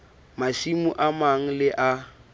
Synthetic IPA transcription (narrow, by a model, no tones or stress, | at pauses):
maʃimuʔamaŋ̩lɪʔa